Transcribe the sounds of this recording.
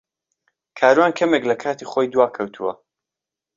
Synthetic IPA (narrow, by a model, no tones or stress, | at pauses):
kʰaːɾuwaːnkʰɐmeklɐkʰaːt̪ʰiχoːjd̪waːkʰɐwt̪ʰṵwɐ̰